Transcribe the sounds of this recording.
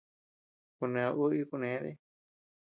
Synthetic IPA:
ku˧nẽ˧a˧ʔu˦i˦˧ku˧nẽ˨˦ðḛ˦

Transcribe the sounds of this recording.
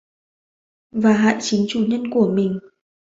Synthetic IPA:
vaː˨˩ɦa̰ː˧˨jt͡ɕï˨˦ŋ̟t͡ɕu˧˩ɲə˧nku˧˩əmï˨˩ŋ̟

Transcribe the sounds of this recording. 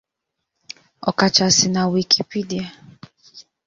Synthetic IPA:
ɔ̰˨ka˨t͡ʃa˨sɪ˨na˨wi˨kʰi˦pi˦di˨a˨

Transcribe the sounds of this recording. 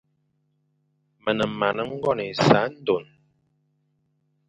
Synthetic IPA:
mə˨nə˨ma˨nə˦ŋ̩˦ɡɔ˦˨nə˨sa˨˦n̩˦do˨n

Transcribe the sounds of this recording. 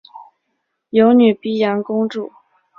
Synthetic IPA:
jo˧˥ʊny˨˩pi˥˩jɑ˧˥nkʊ˥ŋʈ͡ʂu˥˩

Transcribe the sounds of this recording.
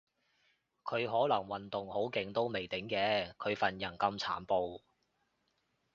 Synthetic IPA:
kʰɵ˨˧ɥɦɔː˨˥lɐ˨˩ŋwɐ˨nt̪ʊ˨ŋho˨˥wkɪ˨˧ŋt̪o˥wme˨˩jt̪ɪ˨˥ŋkɛː˨˧˥kʰɵ˨˧ɥfɐ˨njɐ˨˩nkɐ˧mt͡sʰa̰ː˨˥npo˧w

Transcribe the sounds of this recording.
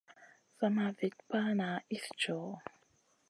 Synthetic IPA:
sa˨ma˨ve˨t̚pa˦na˨i˦sd͡ʒɔ˨

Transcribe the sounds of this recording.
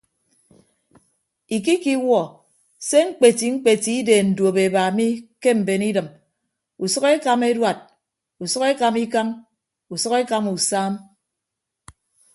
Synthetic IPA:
i˨k̬i˦ki˦wɔ˨ | se˦ŋ͡m̩˦k͡pe˨ti˨ŋ͡m̩˦k͡pe˨ti˨˦i˦deː˨n̩˨dwo˨be˨ba˨mi˦ke˦m̩˨be˨ni˦dɨ˨m | u˨sɔ˦ke˦ka˨me˦dwa˨t̚ | u˨sɔ˦ke˦ka˨mi˦ka˦m | u˨sɔ˦ke˦ka˦mu˨saː˦m

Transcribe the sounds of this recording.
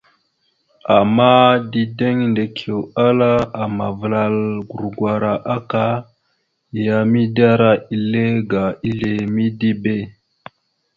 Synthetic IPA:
a˨ma˦di˦de˦ŋnde˨kʰe˨wa˦la˦a˨ma˨və˨la˨lɡu˨ɾɡwa˨ɾa˨ʔa˦ka˦˨ | ja˨mi˦da˦ɾa˦i˨le˦ɡa˨i˦ɮe˨mi˦di˦be˦˨

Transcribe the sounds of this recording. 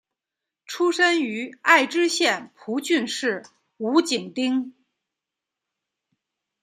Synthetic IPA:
ʈ͡ʂʰu˥ʂə˥ny˧˥a˥˩ɪʈ͡ʂɻ̩˥ɕjɛ˥˩npʰu˧˥t͡ɕy˥˧nʂɻ̩˥˩ | u˧˥t͡ɕi˨˩ŋt̪i˥ŋ

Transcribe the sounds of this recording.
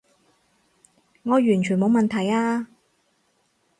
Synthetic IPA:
ŋɔː˨˧jyː˨˩nt͡ʃʰyː˨˩mo˨˧wmɐ˨nt̪ʰɐ˨˩jaː˧

